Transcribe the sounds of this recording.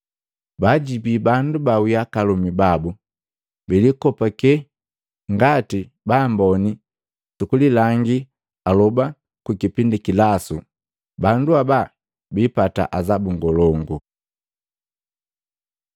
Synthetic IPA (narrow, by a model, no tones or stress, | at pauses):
baɟibibandubawiakalumibabu | bilikɔpakɛ | ŋɡati | bambɔni | tukulilaŋɡi | alɔba | kukipindikilasu | banduaba | bipata̰ʔazabuŋɡɔlɔŋɡu